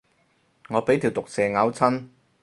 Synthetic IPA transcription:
ŋɔː˨˧pe˨˥jt̪ʰiː˨wt̪ʊ˨k̚sɛː˨ŋaː˨˥wt͡sʰɐ˥n

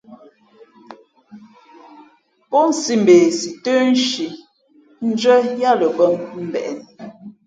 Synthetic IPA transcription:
pɔ˦n̩˨si˦m̩˨be˨si˨tə˦n̩˦ʃi˨ | n̩˦d͡ʒɥə˦ja˦lə˨bə˦mm̩˦bɛ̰˨ʔɛ˨n˨

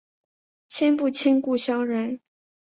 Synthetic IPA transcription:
t͡ɕʰjɛ˥npu˥˩t͡ɕʰɛ˥nku˥˩ɕjɑ˥ʊɻə˧˥n

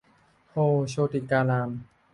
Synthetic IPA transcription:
hoː˧ɕoː˧t̪i˨kaː˧laː˧m

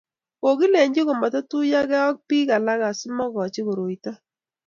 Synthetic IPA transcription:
ko˨ki˦le˨ɲd͡ʒi˦ko˨ma˨tɔ˦tu˦ja˦kɛ˦ɔ˦k̚piː˦ka˨la˦ka˨sɪ˦mɔ˦kɔ˨t͡ʃɪ˦ko˨ɾo˨i˨ta˦

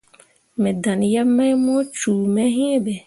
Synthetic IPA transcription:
mɛ̃˨da˨n˨ja˦mːa˦jmɔ˦t͡ʃuː˨mɛ˦ɦĩ˦ɛ˦bɛ˨

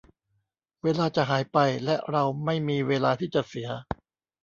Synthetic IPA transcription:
weː˧laː˧t͡ɕa˨˩ɦaː˩˦jpa˧jlɛ˦˥ʔɾa˧wma˥˩jmiː˧weː˧laː˧t̪ʰiː˥˩t͡ɕa˨˩si˩˦ɐ

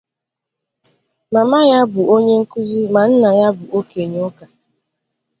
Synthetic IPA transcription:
ma˨ma˦ja˦bʊ˨o˦ɲe˦ŋ̩˦ku˦zi˦ma˨n̩˦na˨ja˦bʊ˨ʔo˦ke˨ɲ˦o˦ka˨

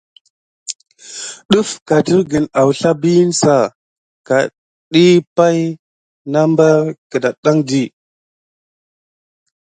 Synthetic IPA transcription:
ɗu˦fka˨ti˦ɾɡə˨na˨wɬa˦bi˦nsa˨ | ka̰˨ | ɗi˦pa˦j | na˦mba˦kə˨da˨ɗa˦ŋdi˦

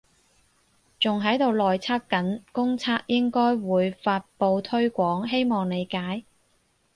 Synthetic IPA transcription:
t͡sʊ˨ŋɦɐ˨˥jt̪o˨wlɔː˨jt͡sʰaː˥kːɐ˨˥nkʊ˥ŋt͡sʰaː˥k̚jɪ˥ŋkɔː˥jwuː˨˧jfaː˧t̚po˧wt̪ʰɵ˥ɥkʷɔː˨˥ŋɦe˥jmɔː˨ŋne˨˧jkaː˨˥j

